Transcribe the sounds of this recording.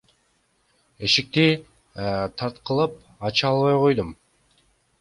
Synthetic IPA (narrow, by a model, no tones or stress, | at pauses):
e̞ʃik̚t̪i | t̪ʰɑɾt̪qəlˠɯp̚ | ɑt͡ʃɯɑlˠβɑjqo̞jd̪um